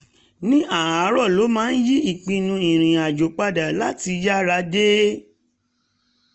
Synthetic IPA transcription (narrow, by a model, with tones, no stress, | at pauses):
nĩ˦ʔa˦˨a˨˦ɾɔ˦˨lo˨˦mãː˦n̩˦ji˦i˦˨k͡pĩ˧nũ˧ĩ˨ɾ̃ĩ˨a˨d͡ʒo˨k͡pa˧da˨la˦ti˧ja˦ɾa˧de˦